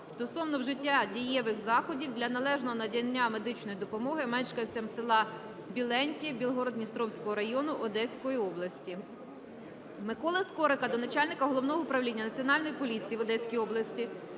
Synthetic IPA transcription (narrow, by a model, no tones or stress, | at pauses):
st̪ɔsɔwnɔwʒɪtʲːadʲijɛʋɪxzɑxɔdʲiwd̪lʲɐnɐlˠɛʒnɔɔnɐdʲɐnʲːame̞d̪ɪt͡ʃnɔjid̪ɔpɔmɔɦɪmɛt͡ʃkɐt͡sʲɐmsɪlˠɑ | bʲilˠɛnʲkʲibʲilˠɦɔɾɔd̪ʲnʲist̪ɾɔwsʲkɔɦɔɾɐjɔnʊʔɔd̪ɛsʲkɔjiɔblˠɐsʲtʲi | mɪkɔlˠɐskɔɾɪkɐd̪ɔnɐt͡ʃɑlʲnɪkɐɦɔlˠɔwnɔɦɔʊpɾɐʋlʲinʲːɐnɐt͡sʲiɔnɑlʲnɔjipɔlʲit͡sʲijiʋɔd̪ɛsʲkʲijɔblˠɐsʲtʲi